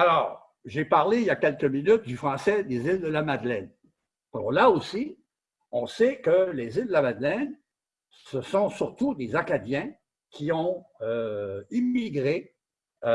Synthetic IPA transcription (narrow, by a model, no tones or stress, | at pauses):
alɔːʁ | ʒepaʁleijakʲɛlkəminyt̪̚d̪yfχɑ̃sɛd̪ezild̪əlamad̪lɛn | ɔ̰ʁlaosi | ɔ̃sɛkəlezild̪əlamad̪lɛn | səsɔ̃syʁt̪ud̪ezakad̪jɛ̃ | kʲʰiɔ̃øimiɡʁe